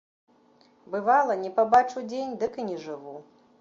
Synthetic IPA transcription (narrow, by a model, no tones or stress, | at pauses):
bɨvalˠɐnʲɛpabat͡ʂud͡zʲenʲd̪ɨkinʲɛʐɨvu